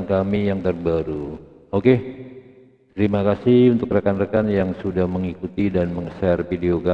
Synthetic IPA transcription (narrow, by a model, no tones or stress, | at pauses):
nkamijaŋt̪ərbaɾu | oke | t̪əɾimakasɪhunt̪ʊkrəkanrəkanjaŋsudahməŋikut̪idanməŋəsarfideoka